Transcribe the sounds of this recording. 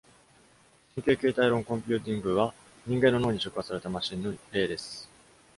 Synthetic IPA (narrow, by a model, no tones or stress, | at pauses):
ɕĩŋkʲeːke̞ːt̪aiɾõ̞ŋkõ̞mʲpʲɨ̟ːt̪̬ʲĩŋɡɯ̟βa | ɲ̟ĩŋɡẽ̞nːo̞noːɲ̟iɕokɯβasaɾe̞t̪amaɕĩnːoɾe̞ːd̪e̞sɨ̥